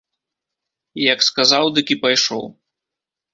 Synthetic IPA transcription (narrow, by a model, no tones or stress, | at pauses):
ijɐkskazawd̪ɨkʲipajʂɔ̰w